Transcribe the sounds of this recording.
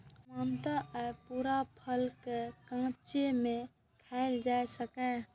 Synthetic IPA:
mamt̪aʔɛpuɾapʰəlkekãt͡ʃeme | t̪ʰaɪld͡ʒajsəkɛ

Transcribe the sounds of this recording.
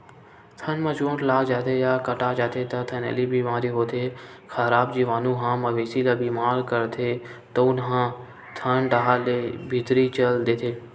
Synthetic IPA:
t̪ʰənmãt͡ʃõːʈlaːd͡ʒaːt̪ʰejaːkəʈaːd͡ʒaːt̪ʰet̪ɐt̪ʰənə̰libʱiːmãːɾiɦoːt̪ʰekʰəɾaːbd͡ʒiʋaːnũɦãːməʋeːsilabiːmaːɾkəɾt̪ʰet̪ɐʊnɦãː | t̪ʰənɖaɦaleːbʱɪt̪ɾit͡ʃəld̪eːt̪ʰeː

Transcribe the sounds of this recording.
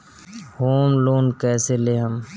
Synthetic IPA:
hoːmloːnkɛːseleɦəm

